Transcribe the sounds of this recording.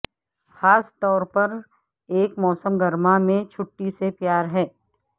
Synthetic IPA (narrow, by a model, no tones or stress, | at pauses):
xaːst̪ɔːɾpɐɾ | eːkmɔːsəmɡɐɾmamẽt͡ʃʰʊʈːisepjaːɾɦɛː